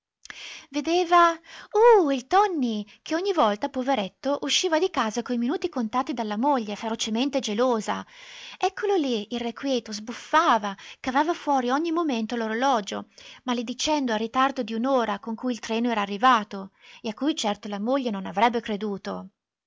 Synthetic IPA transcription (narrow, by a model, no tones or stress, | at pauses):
ved̪eːvauːilt̪ɔnːikʰeɔɲːivɔlt̪apoveɾɛt̪ːoʔuʃːiːvad̪ikaːzakoiminuːt̪ikont̪aːt̪ːid̪alːamoʎːefeɾot͡ʃement̪ed͡ʒeloːza̰ɛkʰːololiilrekwjɛːt̪ozbufːaːvakavaːvafwɔːɾiɔɲːimoment̪oloɾolɔːd͡ʒomalid̪it͡ʃɛnd̪oarːit̪ard̪od̪iunoːɾakoŋkujilt̪ɾɛːnoɛːɾaːrːivaːt̪oeakːujt͡ʃɛrt̪olamoʎːenonavɾɛbːekɾed̪uːt̪o̰